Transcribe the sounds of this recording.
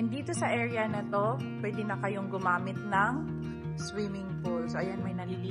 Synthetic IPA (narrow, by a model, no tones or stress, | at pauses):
ɛnd̪iːt̪o̞sɐʔɛːɹɐnɐt̪o̞ | pwɛːd̪ɪnɐkɐjoŋɡʊmaːmɪt̪̚nɐŋ | swiːmɪŋpolsʔɐjanmɐjnɐlili